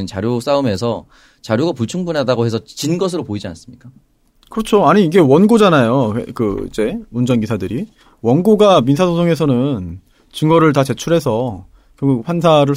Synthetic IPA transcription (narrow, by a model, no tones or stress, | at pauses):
ɯnt͡ɕaɾjos͈aɯmesʰʌ | t͡ɕaɾjoɡapuɭt͡ɕʰuŋbunadaɡohe̞sʰʌt͡ɕinɡʌs̬ʰɯɾopoid͡ʑia̰ns͈ɯmɲik͈a | kɯɾʌt͡ɕʰoaɲiːɡe̞wʌnɡod͡ʑanajo̰kɯḭd͡ʑe̞mund͡ʑʌnɡisʰadɯɾi | wʌnɡoɡamins̬ʰasʰosʰoŋe̞s̬ʰʌnɯn | t͡ɕɯŋɡʌɾɯɭt̬at͡ɕe̞t͡ɕʰuɾɦe̞sʰʌ | kjʌŋɡuɡɸwansʰaɾɯɭ